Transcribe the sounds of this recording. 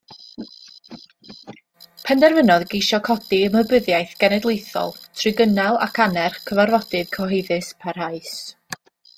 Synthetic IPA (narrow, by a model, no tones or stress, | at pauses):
pʰɛndɛrvənɔðɡejʃɔkʰɔdiəməbəðjajθɡ̥ɛnɛdlˠejθɔ̰lˠtʰrɨɡənalˠa̰kʰanɛrχkʰəvarvɔdɨðkʰɔɦejðɨspʰarhaɨs